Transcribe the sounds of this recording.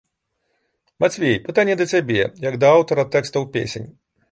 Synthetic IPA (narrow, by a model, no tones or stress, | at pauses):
mat͡sʲvʲejpɨt̪anʲːjɛd̪ɐsʲabʲɛ̰jɐɡd̪ɐawt̪ɐɾɐt̪ɛkst̪ɐwpʲḛsʲḛnʲ